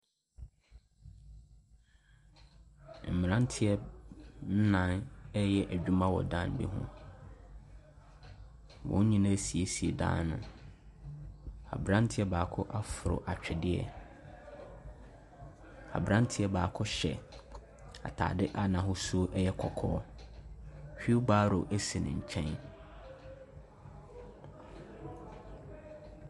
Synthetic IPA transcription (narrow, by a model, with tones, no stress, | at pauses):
m̩˨mɪ̃˨nã˦n˦tʰɪ˦ɛ˦n̩˦nã˦˨nɛ˦jɛ˦ʔæ˨d͡ʑᶣu˦mã˦wɔ̰˨dã˦n˦bḭ˦ɦʊ̰̃˦ | wʊ̰̃˦ɲĩ˦nã˦˨si˨e˨si˨e˨dã̰ː˦nnʊ̰̃˨ | a̰˨bɾã˦n˦tʰɪ˦ɛ˦baː˨kʰʊ˦ʔa˦fʊ˨ɾʊ̰˨ʔa˨t͡ɕᶣɛ˨dɪ˦ɛ̰˦ | a̰˨bɾã˦ntʰɪ˨˦ɛ˨˦baː˨kʰʊ˦ɕɛ˨ | a̰˨tʰa̰ː˨dɪ˦ʔa˨nã˨ɦʊ˦su˦o˦ʔɛ˦jɛ˦kʰɔ˨kʰɔ̰ː˦ | hᶣi˦u˦baː˦ɾo̰˨ʔe˦si˨nɪ̰̃˨ɲ̩˨t͡ɕʰɛ̃˦n